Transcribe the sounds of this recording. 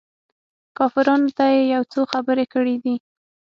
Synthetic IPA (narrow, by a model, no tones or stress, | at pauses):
kɑfɪɾɑnot̪ajejawt͡soxabəɾekəɽid̪i